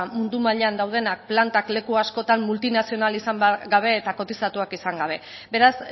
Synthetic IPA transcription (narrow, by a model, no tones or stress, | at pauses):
mund̪umaʎeand̪awð̞e̞nak̚plant̪akle̞kuasko̞t̪ammult̪inasio̞nalisamɡaβ̞e̞ːt̪ako̞t̪isat̪uakisaŋɡaβ̞e̞ | be̞ɾas